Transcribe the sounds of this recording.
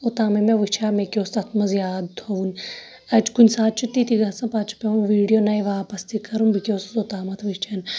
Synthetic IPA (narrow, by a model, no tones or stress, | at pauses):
ot̪aːmɐmeʋɨt͡ʃʰaːmekʲoːsɐt̪ʰmɐzjaːd̪t̪ʰoun | ɐd͡ʒkunʲsaːt̪̚t͡ʃʰut̪it̪iɡɐsɐ̃paːt͡ʃʰu̥pʲeũnʋiːɽijonɐjʋaːpɐst̪ikɐɾunbikʲoːszot̪aːmɐt̪ʰʋit͡ʃʰɐn